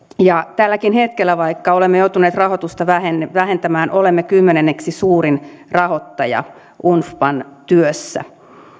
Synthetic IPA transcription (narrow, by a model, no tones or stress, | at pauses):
jɑt̪ælːækinhet̪kelːæʋɑikːɑolemːejout̪uneːt̪rɑhot̪ust̪ɑʋæhenːʋæɦe̞nt̪æmæːnʔolemːekymːenenːeksisuːɾinrɑhot̪ːɑjɑ̰ | ʔunfpɑnt̪yøsːæ̰